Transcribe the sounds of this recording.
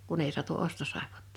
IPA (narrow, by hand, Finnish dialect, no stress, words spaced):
kun ei sŭ̥ɑtu ostosɑˑepo̥tːɑ̥